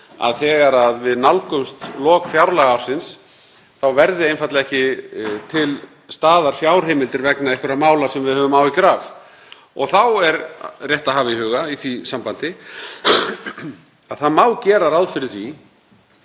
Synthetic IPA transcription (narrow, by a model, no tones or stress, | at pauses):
a̰ðθɛːɣaɾaðvɪðnalkʏmst̪lɔːkfjawɾlaɣawɾ̥sɪns | θawvɛɾðɪejnfat̪lɛhcɪt̪ʰɪl | st̪aːðaɾ̥fjawɾ̥heːmɪlt̪ɪɾvɛknaɛhkʏɾamaːwlasɛmvɪðhœːvʏmaːwikɾaːf | ɔɣθawɛɾrjɛht̪aɦaːvɪhʏːɣaiθvisampant̪ɪ | aðθaðmaːwcɛːɾaɾawðfɪɾɪθvi